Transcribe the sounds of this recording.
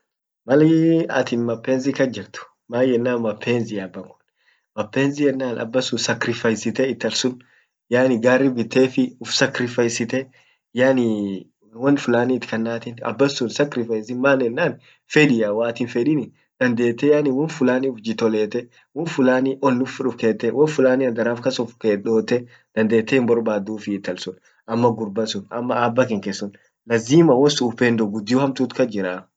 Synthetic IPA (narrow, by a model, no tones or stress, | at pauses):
mɐlɪɐ̰t̪ɪnmɐpːeːnzɪkɐd͡ʒɪɾt̪ʊ̥ | maːjɛnːaːnmɐpʰːeːnzɪjabːɐŋkʊ̥ | mɐpːeːnzɪjɛnːaːnʔɐ̰bːɐsʊsɐkɾɪfɐjsɪt̪ɛɪt̪ːɐlsʊn | jaːnɪɡaːrːɪbɪt̪ːeːfɪʊfsɐkɾɪfɐjsɪt̪ɛ | jaːni | wɐnfʊlaːniːt̪ɪ̥kɐnːaːt̪ɪnɐ̰bːɐsːʊnsɐkɾɪfɐjsɪmaːnɛnːaːn | fɛᶑɪjawaːt̪ɪːnfɛᶑinɪ | d̪̥ɐnd̪e̞ːt̪ːɛjaːnɪwɐnfʊlaːniʊfd͡ʒɪt̪ɔleːt̪ɛ | wɔnfʊlaːniʔɔnːʊfʊᶑʊfkeːt̪ːɛwɐnfʊlaːniɐd̪ɐɾaːfkɐsʊfkeːᶑo̞ːt̪ːɛ | d̪̥ɐnd̪e̞ːt̪ːehɪmbɔɾbaːd̪ːuːfɪːt̪ːɐlsʊn | ʔɐmːɐɡʊɾbɐsʊnɐ̰mːɐaːbːɐkɪŋkesːʊn | lɐziːmɐwɔsʊʊpeːnd̪ɔɡʊd̪ːɪuhɐmt̪uːt̪kɐd͡ʒɪɾaː